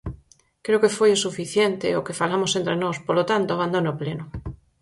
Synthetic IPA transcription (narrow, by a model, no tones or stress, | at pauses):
kɾeokefojesufiθjent̪eokefalamosent̪ɾenospolot̪ant̪oaβand̪onopleno